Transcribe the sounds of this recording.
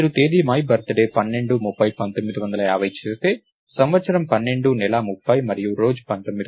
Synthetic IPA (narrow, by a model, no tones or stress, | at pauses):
ɐɾut̪e̞ːd̪imɐːjbɐɾt̪ɐɖeːpɐnːe̞ɳɖumupːɐjpɐnt̪o̞mːid̪iʋɐnd̪ɐlɐjaːʋɐjit͡ʃeːst̪e̞ː | sɐmʋɐt̪sɐɾɐmpɐnːe̞ɳɖunɛlamupːɐjmɐɾijuɾo̞ːd͡ʒupɐnt̪omːid̪i